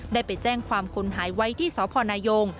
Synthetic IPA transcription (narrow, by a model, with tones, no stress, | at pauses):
daː˥˩jpa˧jt͡ɕɛː˥˩ŋkʰwaː˧mkʰu˧nɦaː˩˦jwa˦˥jt̪ʰiː˥˩sɔː˨˦pʰɔː˧naː˧jo˧ŋ